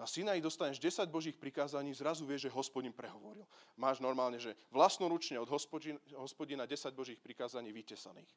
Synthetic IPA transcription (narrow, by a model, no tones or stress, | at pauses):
nasinaid̪ɔst̪aɲɛʒɟɛsaɟbɔʒiːxpɾikaːzaɲiːzɾazuʋɪɛʒʒɛɦɔspɔɟinpɾɛɦɔʋɔɾilmaːʒnɔɾmaːlɲɛʒɛʋlasnɔɾut͡ʃɲɛɔd̪ɦɔspɔiɦɔspɔɟinaɟɛsaɟ̚bɔʒiːxpɾikaːzaɲiːʋicɛsa̰niːx